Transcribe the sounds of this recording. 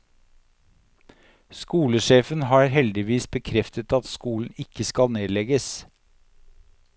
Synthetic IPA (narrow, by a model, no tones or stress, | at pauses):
skuːləʃeːfənhɑːɾhɛld̪ɪʋiːsbəkʰɾɛft̪ʰət̪ɑt̪skuːln̩ɪkəskɑlneːd̪lɛɡəs